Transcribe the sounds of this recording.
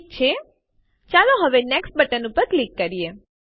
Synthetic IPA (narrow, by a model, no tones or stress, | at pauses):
t͡ʃʰe | t͡ʃalõɦəʋenɛksʈ̚bəʈənupəɾklikːəɾije